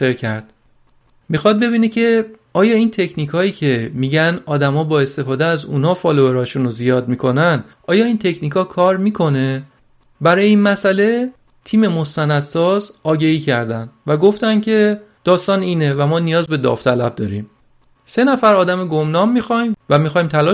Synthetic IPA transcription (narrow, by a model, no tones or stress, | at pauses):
eɾcʰæɾd̪̥ | mixɒːd̪̚be̞biːnecʰe̞ | ɒːjɒːiːnt̪ʰe̞cʰniːkʰɒːiːcʰe̞miːɟænɒːd̪æmɒːbɒːe̞st̪e̞fɒːd̪eæzuːnhɒːfɒloeɾɒːʃunozijɒːd̪̚miːkʰo̞nænd̪ | ɒːjɒːiːnt̪ʰe̞cʰniːkʰɒːkʰɒːɾmiːkʰo̞ne̞ | bæɾɒːjeiːnmæsæle̞ | t̪ʰiːme̞mo̞st̪ænæd̪sɒːzɒːɟeiːcʰæɾd̪ænd̪væɡo̞ft̪æncʰe̞d̪̥ɒːst̪ɒːniːnevæmɒːnijɒːzbe̞d̪ɒ̰ːft̪ʰælæb̚d̪ɒ̰ːɾḭːm | se̞næfæɾɒːd̪æmeɡomnɒːmːixɒjmvæmixɒːjmt̪ʰælɒ